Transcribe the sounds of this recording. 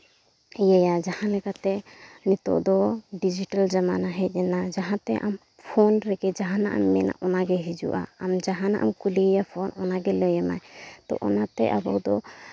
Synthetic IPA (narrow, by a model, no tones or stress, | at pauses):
jajad͡ʒahãlɛkat̪ɛnit̪ɔ̰ʔd̪ɔɖid͡ʒiʈald͡ʒamanaɦɛt̪̚ˀɛnad͡ʒaɦãt̪ɛʔam | pʰɔnɾɛɡɛd͡ʒaɦãna̰ʔa̰mːɛna̰ʔɔnaɡɛɦid͡ʒṵʔa̰ːmd͡ʒaɦãna̰ʔa̰mkulijapʰɔnɔnaɡɛləjɛmajt̪ɔ̰ʔɔnat̪ɛ̰ʔabɔ̰d̪ɔ